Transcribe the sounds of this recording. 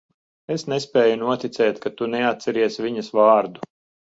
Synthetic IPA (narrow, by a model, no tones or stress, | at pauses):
esnɛspɛːjunuɔt̪it̪sɛːt̪kat̪unɛat̪̚sɛɾiɛsvʲiɲɐsvaːɾd̪u̥